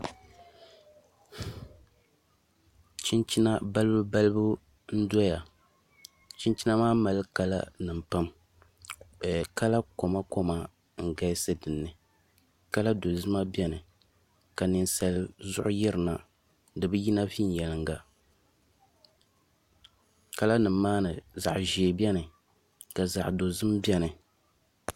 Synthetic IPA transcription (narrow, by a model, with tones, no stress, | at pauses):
t͡ʃi˦nt͡ʃi˦na˦ba˦lɨ˦bɨ˦ba˦lɨ˦bɨ˦ | n̩˦dɔ˦ja˨ | t͡ʃi˦nt͡ʃi˦na˦maː˦ma˨lɨ˦ka˦la̰˦nɨ˨m˨pa˦m˨ | ka˦la˦ko˨ma˦ko˦ma˨ | ŋ̩˨ɡa˦jsɨ˦dɨ˨nːɨ˨ | ka˦la˦do˨zɨ˦ma˦bɛ˦nɨ˨ | ka˨nɨ˨nsa˨lzʊ˦ʔʊ˦jɛ˦ɾɨ˨na˨ | dɨ˨bɨ˦ji˦na˦vi˦n˨jɛ˨lɨ˨ŋɡa˨ | ka˦la˦nɨ˨m˦mːaː˦nɨ˨za̰˨ʔʒeː˨bɛ˦nɨ˨ | ka˨za̰˨ʔdo˨zɨ˦mbɛ˦nɨ˨